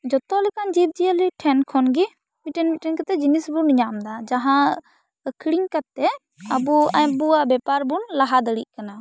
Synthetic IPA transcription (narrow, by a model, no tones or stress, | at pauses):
d͡ʒɔt̪ɔlɛkand͡ʒit̪̚d͡ʒiəliʈʰɛnkʰɔnɡi | miʈɛnmiʈɛnkat̪ɛd͡ʒinisbuniɲamd̪ad͡ʒaɦã | əkʰɽiŋkat̪ːɛ | əbuaɲbuabɛpaɾbunlaɦad̪əɽḭʔ̚kana